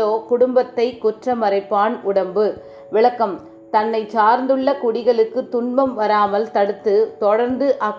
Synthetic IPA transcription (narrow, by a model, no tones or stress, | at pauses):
oːkʊɽʊmbɐt̪ːɐɪkːʊʈrɐmɐɾɐɪpːaːnʔʊɽɐmbɯ | ʋɪɭɐkːɐm | t̪ɐnːɐɪt͡ʃaːɾnd̪ɯɭːɐkʊɽɪɣɐɭɯkːɯt̪ʊnbɐmʋɐɾaːmɐlt̪ɐɽɯt̪ːɯt̪ɔɽɐɾnd̪ɯʔɐ